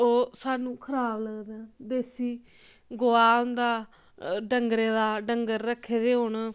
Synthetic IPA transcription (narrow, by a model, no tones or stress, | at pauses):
oːsaːnũːkʰəɾaːbləɡd̪eːd̪eːsiː | ɡoːaːʊ̃nd̪aː | ɖəŋɡɾeːd̪aːɖəŋɡəɾːəkʰːeːd̪eːɦoɳ